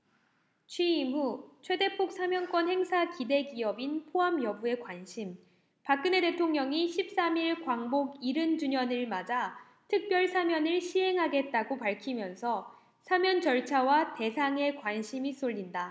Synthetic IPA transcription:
t͡ɕʰɥiːmɦut͡ɕʰwe̞de̞pʰok̚s͈ʰamjʌnkwʌnhe̞ŋsʰakide̞ɡiʌbinpʰoɦamjʌbue̞kwanɕʰim | pak̚k͈ɯne̞te̞tʰoŋɲʌŋiɕʰip̚s͈amiɭkwaŋboɡiɾɯnd͡ʑuɲʌnɯɭmad͡ʑa | tʰɯk̚p͈jʌɭsʰamjʌnɯɭɕʰiɦe̞ŋɦaɡe̞t̚t͈aɡopaɭkʰimjʌnsʰʌ | sʰamjʌnd͡ʑʌɭt͡ɕʰawate̞sʰaŋe̞kwanɕʰimis͈oʎːinda

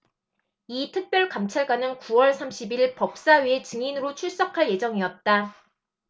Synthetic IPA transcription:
itʰɯk̚p͈jʌɭkamt͡ɕʰaɭɡwanɯnkuwʌɭsʰamɕʰibiɭpʌp̚s͈aɥie̞t͡ɕɯŋinɯɾot͡ɕʰuɭs͈ʌkʰaɭje̞d͡ʑʌŋiʌt̚t͈a

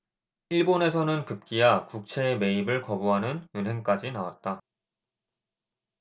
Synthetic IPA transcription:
iɭbone̞sʰʌnɯnkɯp̚k͈ijakuk̚t͡ɕʰe̞ːme̞ibɯɭkʌbuɦanɯnjunɦe̞ŋk͈ad͡ʑinawa̰t̚t͈a

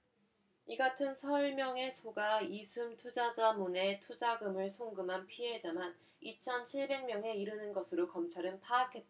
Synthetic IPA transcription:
iɡatʰɯnsʰʌiɭmjʌŋe̞sʰoɡaisʰumtʰud͡ʑad͡ʑamune̞tʰud͡ʑaɡɯmɯɭsʰoŋɡɯmɦanpʰiɦed͡ʑaman | it͡ɕʰʌnt͡ɕʰiɭbe̞ŋmjʌŋe̞iɾɯnɯnɡʌsʰɯɾokʌmt͡ɕʰaɾɯnpʰaːkʰe̞t̚t͈a

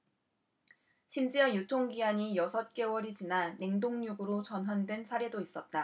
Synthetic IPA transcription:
ɕʰimd͡ʑijʌjutʰoŋɡiaɲijʌsʰʌt̚k͈e̞wʌɾit͡ɕinaːe̞ŋdoŋɲuɡɯɾot͡ɕʌnɦwandwe̞nsʰaɾe̞dois͈ʌt̚t͈a

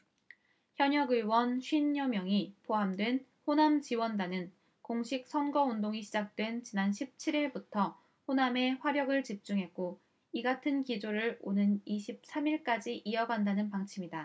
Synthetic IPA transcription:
çjʌɲʌɡɯiwʌnɕʰɥinːʌmjʌŋipoɦamdwe̞nɸonamt͡ɕiwʌndanɯn | koŋɕʰik̚sʰʌnɡʌondoŋiɕʰid͡ʑak̚t͈we̞nt͡ɕinanɕʰip̚t͡ɕʰiɾiɭbutʰʌ | ɸoname̞ɸwaɾjʌɡɯɭt͡ɕip̚t͡ɕ͈uŋɦe̞k̚k͈o | iɡatʰɯnkid͡ʑoɾɯɭonɯniɕʰip̚s͈ʰamiɭk͈ad͡ʑiʔiʌɡandanɯnpaŋt͡ɕʰimɲida

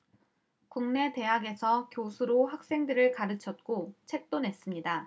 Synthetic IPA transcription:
kuŋne̞te̞ɦaɡe̞sʰʌkjosʰuɾohak̚s͈e̞ŋdɯɾɯɭkaɾɯt͡ɕʰʌt̚k͈ot͡ɕʰe̞k̚t͈onɦe̞s͈ɯmɲida

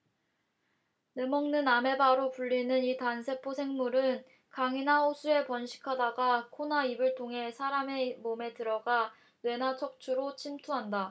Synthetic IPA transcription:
nemʌŋnɯname̞baɾopuɭːinɯnitansʰe̞pʰosʰe̞ŋmuɾɯn | kaŋinaosʰue̞pʌnɕʰi̥kʰadaɡakʰonaibɯɭtʰoŋɦe̞sʰaɾame̞mome̞tɯɾʌɡa | nwe̞nat͡ɕʰʌk̚t͡ɕʰuɾot͡ɕʰimtʰuɦanda

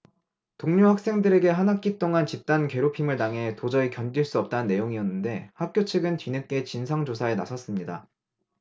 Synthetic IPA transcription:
toŋɲuhak̚s͈e̞ŋdɯɾe̞ɡe̞ɦanɦak̚k͈ip̚t͈oŋant͡ɕip̚t͈anke̞ɾopʰimɯɭtaŋɦe̞tod͡ʑʌikjʌnɡiɭs͈uʌp̚t͈anɯnːe̞joŋiʌnːɯnde̞hak̚k͈jot͡ɕʰɯɡɯntɥinek͈e̞t͡ɕinsʰaŋd͡ʑosʰaenasʰʌs͈ɯmɲida̰

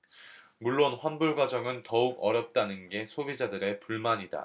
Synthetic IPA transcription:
muɭːonɸwanbuɭɡwad͡ʑʌŋɯntʌuɡʌɾjʌp̚t͈anɯnɡe̞sʰobid͡ʑadɯɾe̞puɭmaɲida̰

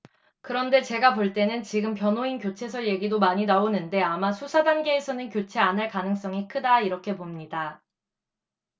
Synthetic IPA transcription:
kɯɾʌnde̞t͡ɕe̞ɡapoɭt͈e̞nɯnt͡ɕiɡɯmpjʌnɦoinkjot͡ɕʰe̞sʰʌɭjeɡidomaɲinaonɯnde̞amasʰusʰadanɡe̞ːsʰʌnɯnkʲjot͡ɕʰe̞anɯɭkanɯŋs͈ʌŋikʰɯdaiɾʌkʰe̞pomɲida

